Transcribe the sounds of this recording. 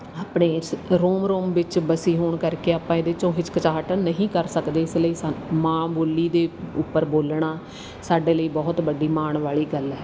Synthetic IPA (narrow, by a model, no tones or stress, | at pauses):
aːpɳeːɾoːmɾoːmʋɪt͡ʃbəsiːɦoːɳkəɾkeːaːpãːed̪eːt͡ʃõːɦɪt͡ʃkət͡ʃaːʈnəɦĩːkəɾsəkd̪eːɪsləiːsmãːboːliːd̪eːʊpːəɾboːlɳ̃aː | saːɖeːləiːbɔːt̪bəɖiːmaːɳʋaːɭiːɡəlɛː